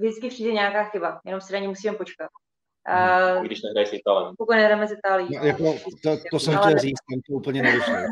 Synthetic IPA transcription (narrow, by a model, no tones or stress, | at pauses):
vɪt͡skɪpr̥iːdɛɲɛjakaːxɪbajɛno̞msɪnaɲimusiːmɛmpot͡ʃkat̪̚ː | ɡdɪʃnɛɦɾajisɪt̪aːlɛ̰mpokojnɛɦɾamɛsɪt̪aːlɪjinojakot̪ot̪osɛmalɛlriːt͡st̪ɛmt̪oʔuːpl̩ɲɛnɛdoʃɛl